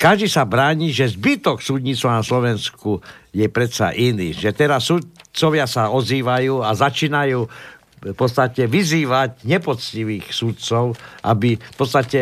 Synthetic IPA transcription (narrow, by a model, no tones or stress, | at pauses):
kaʒd̪isabɾaːɲiːʒɛzbit̪ɔksud̪ɲit͡sanaslɔʋɛnskujɛpɾɛt̪sa̰ʔinḭʒɛt̪ɛɾasːut̪t͡sɔʋɪasaɔziːʋajuːazat͡ʃiːnajuː | fpɔt͡st̪acɛʋiziːʋaɟɲɛpɔt͡sciʋiːxsut̪t͡sɔʊʔabifpɔt̪st̪acɛ